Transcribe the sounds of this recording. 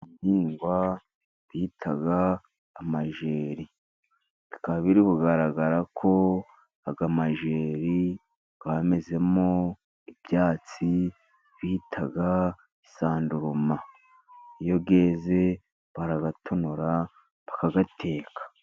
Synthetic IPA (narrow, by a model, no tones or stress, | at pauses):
niːŋɡwa | βiːtʰaɡaː | maʒe̞ːɾi | ikaβiɾiβuɡaɾaɡaɾakʰo̞ | aɡamaʒe̞ːɾi | β̥ame̞ze̞mo | ibjaːt͡si | βitʰaɡa | isaːnduɾuma | ijo̞ɡe̞ːze̞ | βaɾaɡatʰonuɾa | βakaɡatʰe̞ːkḁ